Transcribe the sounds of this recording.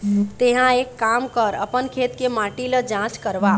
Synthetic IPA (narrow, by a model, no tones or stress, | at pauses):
t̪eɦãekːamkəɾə̰pənkʰet̪kemaʈiləd͡ʒãskəɾba